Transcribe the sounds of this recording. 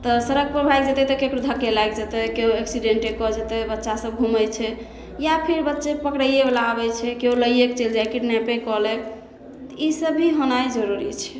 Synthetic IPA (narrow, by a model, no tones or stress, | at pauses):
t̪ɔsəɾəɡ̚pɾəbʱajkd͡ʒet̪ɛt̪ekekɾud̪ʱakelajkd͡ʒet̪ɛkeɦoeksiɖeɳʈekɔd͡ʒet̪ebətːʃasəb̚ɡʱumət͡ʃʰɛ | japʰiɾbətːʃepəkɽəjeblaːbɛt͡ʃʰɛkeoləjekt͡ʃeld͡ʒakiʈnapekɔlek | t̪isəbʱiɦonajd͡ʒəɾuɾit͡ʃʰɛ̥